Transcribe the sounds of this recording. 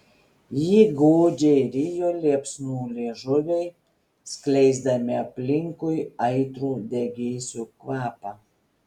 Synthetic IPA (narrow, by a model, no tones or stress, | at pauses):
jiːɡoːd͡ʒʲeɪɾʲɪjoːlʲeɛpʲsʲnuːlʲeːʒʊʋʲɛɪ | sklʲɛɪzd̪ɐmʲɪɐpʲlʲɪŋkʊɪɐɪt̪ɾuːd̪ʲɛɡʲeːsʲuːkʋɑːpɑ